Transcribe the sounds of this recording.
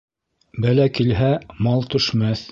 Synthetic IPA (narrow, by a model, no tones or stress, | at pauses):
bælækilɦæmɑlˠt̪ɵ̆ʃmæθ